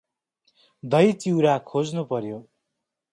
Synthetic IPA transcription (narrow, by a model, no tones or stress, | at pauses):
d̪ʌjt͡siwɾakʰod͡znupʌɾjo